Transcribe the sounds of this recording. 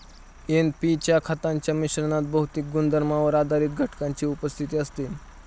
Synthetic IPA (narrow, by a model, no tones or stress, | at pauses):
enpit͡ɕjakʰat̪aɲt͡ɕjamiɕɾənat̪̚bəɦut̪ik̚ɡund̪əɾmaʋəɾad̪ʱaɾiːt̪̚ɡʱəʈkaɲt͡ɕiːupəst̪ʰit̪iːəst̪i